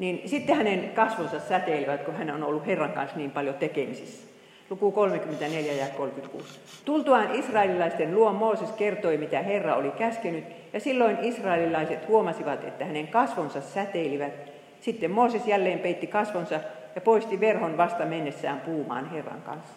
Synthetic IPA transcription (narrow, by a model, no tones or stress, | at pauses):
ninsit̪ːehænenkɑsʋonsɑssæt̪eliʋæt̪kohænonolːuherːɑŋkɑ̰nsniːmpɑljot̪ekemisisːæ̥ | lukukolmekyment̪æneljæjɑekolkyt̪kṵːs | t̪ult̪uɑnisrɑelilɑist̪enluommoːseskert̪oimit̪æherːɑo̰likæskenyt̪ | jɑsilːoinisrɑelilɑiset̪huomɑsiʋɑt̪ḛt̪ːæhæneŋkɑsʋonsɑssæt̪eˑliʋæt̪ | sit̪ːemmoːsesjælːeːmpeit̪ːikɑsʋonsɑ | jɑpoist̪iʋerhonʋɑst̪ɑmenːesːæːmpuːmɑ̰ːnherːɑ̰ŋkɑ̰nsːɑ̥